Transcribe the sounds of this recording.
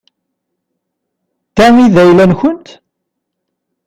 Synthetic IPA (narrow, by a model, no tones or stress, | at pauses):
t̪æmiðæjlænçənt̪